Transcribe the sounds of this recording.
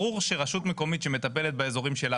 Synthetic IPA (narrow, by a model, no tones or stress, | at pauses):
uʁʃeʁaʃut̪me̞ko̞mit̪ʃeme̞t̪ape̞let̪̚baezo̞ʁimʃe̞la